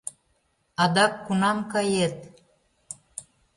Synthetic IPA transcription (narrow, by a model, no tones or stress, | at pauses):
ɑd̪ɑkːunɑmkɑjet̪̚